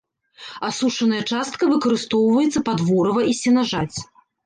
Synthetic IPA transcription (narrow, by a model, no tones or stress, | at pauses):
asuʂɐnɐjɐt͡ʂast̪̚kɐvɨkɐɾɨst̪ɔwvɐjɛt̪sːɐpad̪vɔɾɐvɐisʲɛnaʐat͡sʲ